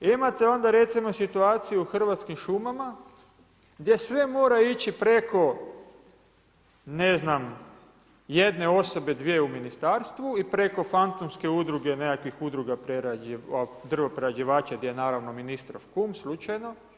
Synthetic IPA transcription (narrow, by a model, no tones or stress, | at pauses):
imat̪eo̞nd̪aɾe̞t̪simo̞sit̪uaːt̪sijuuxr̩ʋat̪skimʃumama | ɡd̪je̞sʋe̞mo̞ːɾait͡ʃipɾe̞ko̞ | ne̞znam | je̞d̪ne̞o̞so̞be̞d̪ʋieuminist̪aːɾst̪ʋuipɾe̞ko̞fant̪omske̞ud̪ɾuɡe̞nekakʋixud̪ɾuɡapɾeɾaad̪r̩ʋopɾeɾad͡ʒiʋaːt͡ʃaɡd̪jejnaːɾaʋno̞minist̪ɾofkumslut͡ʃajno̞